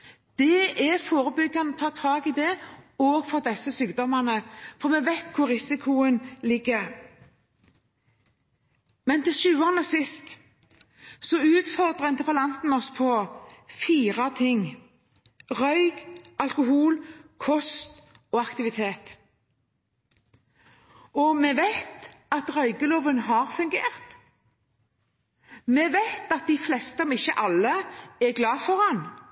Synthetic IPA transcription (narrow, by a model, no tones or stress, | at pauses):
d̪̥ɛʔɛfoːʁəbʏɡːɑnɔt̪ʰɑːt̪ʰɑːɡɪd̪ɛoːɡfɔʁd̪ɛsəsyːkd̪ɔmɑnəfɔʁmɛʋæɪt̪kʰʊʁɪsɪkʰʊənlɪɡːəʁ | mɛnt̪ɪlʃʉːoːʁnəsɪst̪ | sɔʉːt̪fɔʁd̪ʁəɪnt̪əpəlɑnt̪n̩ɔspʰɔfiːʁɑt̪ʰɪŋ | ʁœʏɡɑlkʊɦuːlkʰɔst̪ | ɔɑkt̪ɪʋɪt̪ʰeːt̪ | ɔmɛʋæɪt̪ɑt̪ʁœʏɡəloːʋənɦɑʁfʉŋɡeːʁt̪ | mɛʋæɪt̪ɑt̪̚d̪ɪflɛst̪əɔmɪçːəʔɑlːəɛɡlɑːfɔʁɑn